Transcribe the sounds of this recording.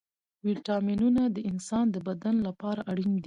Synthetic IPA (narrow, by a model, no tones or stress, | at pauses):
wiʈɑminunad̪əɪnsɑnd̪əbad̪anlapɑɾaʔaɽind̪i